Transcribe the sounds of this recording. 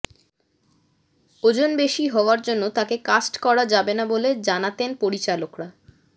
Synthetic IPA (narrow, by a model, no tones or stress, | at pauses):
od͡ʑonbeʃiɦɔoaɾd͡ʑonːot̪akekasʈkɔɾad͡ʑabenaboled͡ʑanat̪enpoɾit͡ɕalokɾa